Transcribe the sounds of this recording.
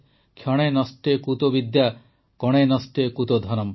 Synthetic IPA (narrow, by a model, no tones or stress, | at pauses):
kʰjɔɽ̃enɔsʈekut̪obid̪ja | kɔɽ̃enɔsʈekut̪od̪ʱɔnɔm